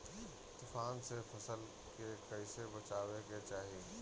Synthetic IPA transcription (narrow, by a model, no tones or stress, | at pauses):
t̪ʊfaːnsefʰɐsəl | kekɐɪsebət͡ʃaːweket͡ʃaːɦi